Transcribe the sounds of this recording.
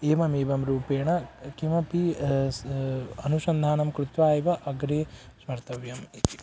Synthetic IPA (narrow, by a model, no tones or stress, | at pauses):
eːmɐmeːʋɐmɾuːpeːɳɐkimɐpi | ɐnuʃɐnd̪ʱaːnɐmkɾut̪ʋaːjʋɐʔɐɡɾeː | smɐɾt̪ɐʋjɐmit̪i̥